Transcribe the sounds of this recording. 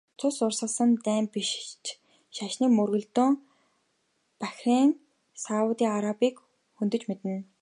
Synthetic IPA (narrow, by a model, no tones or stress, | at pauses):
t͡sʰʊsʊrsə̆ɮsə̆nt̪æːmpiʃt͡ɕ | ʃaʃniːkmɵrɣɵ̆ɮt̪uːŋ | pæxʲriːŋ | saʊt̪iːŋaɾapiːk | xunt̪ɵ̆t͡ɕmet̪ɘ̆n